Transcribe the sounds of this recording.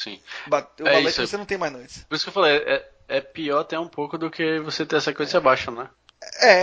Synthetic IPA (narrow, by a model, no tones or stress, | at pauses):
sḭ̃baewɛfaiesʊʊisenɐ̃w̃t̪ẽmajznojt͡ʃɪ̥spoɾisʊ̥kewfalejɛ | ɛpiɔɾat̪ɛũpowkʊd̪ʊkevoset̪ẽj̃ɛsɐkõzsiabaʃɐ̃nɛ | ɛ